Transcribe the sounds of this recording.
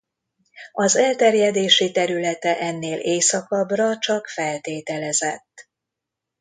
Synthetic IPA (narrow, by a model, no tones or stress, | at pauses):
ɒzɛlt̪ɛrjɛd̪eːʃit̪ɛɾylɛt̪ɛʔɛnːeːlʔeːsɒkɒbrɒt͡ʃɒkfɛlt̪eːt̪ɛlɛzɛt̪ː